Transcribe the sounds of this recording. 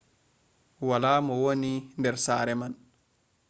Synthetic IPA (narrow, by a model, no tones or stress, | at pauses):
walaːmɔwonindɛɾsaːɾɛman